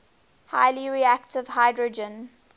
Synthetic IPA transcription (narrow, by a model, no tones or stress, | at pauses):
haɪliɹiæktɪvhaɪdɹəd͡ʒə̃n